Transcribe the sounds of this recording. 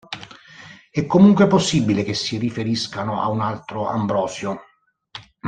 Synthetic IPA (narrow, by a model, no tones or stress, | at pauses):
ɛkːomuŋkweposːibilek̟esːirifeɾiskanʊa̰unalt̪ɾoa̰mbɾɔːsjo